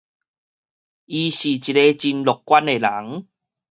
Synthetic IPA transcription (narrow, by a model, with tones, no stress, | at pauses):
ʔi˧ɕi˨˩t͡ɕi˨˩ɾe˧t͡ɕi˧nlɔ˨kkːwa˦ne˨˩la˨˦ŋ